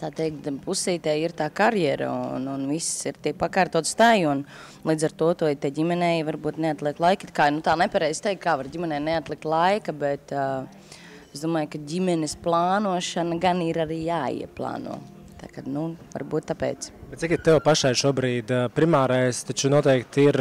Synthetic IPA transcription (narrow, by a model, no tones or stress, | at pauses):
t̪aːt̪ɛjkt̪pusiːt̪ɛiɾt̪aːkaɾjɛɾa̰ununvisiɾt̪ʲiɛk̚pakaːɾt̪uːt̪st̪ajun | lˠiːd̪zaɾt̪uɔt̪uɔt̪ɛɟʲimɛnɛjʋaɾbuːt̪neat̪lˠikt̪lˠajkit̪kaːnut̪aːnɛpaɾɛjz̥t̪ɛjk̚t̚kːaːʋaɾɟʲimɛnɛjnɛat̪lˠikt̪lˠajkɐbɛt̪ː | esd̪uɔmaːjkaɟʲimɛnɪsplˠaːnuɔʃanɐɡaniɾaɾiːjaːḭɛplˠa̰ːnṵɔ | t̪a̰kad̪nuʋa̰ɾbuːt̪̚t̪ːapɛ̰ːt̪sbɛt̪sikit̪ɛwpaʃajʃuɔbɾiːd̪pɾimaːɾajst̪at͡ʃunuɔt̪ɛɪkt̪iɾ